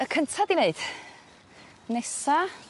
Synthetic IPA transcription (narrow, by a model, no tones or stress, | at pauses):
əkʰəntʰadineɨd̥ | nɛsa